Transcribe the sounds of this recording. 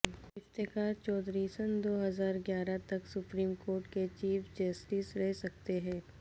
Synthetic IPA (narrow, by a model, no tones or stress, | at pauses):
ɪft̪eːkaːɾt͡ʃɔːd̪ɾisənd̪oːɦɐzaːɾɡjaːɾat̪ɐksʊpɾiːmkoːɾʈket͡ʃiːfd͡ʒɐsʈɪsɾɛɦsɐkt̪eɦɛ̃ː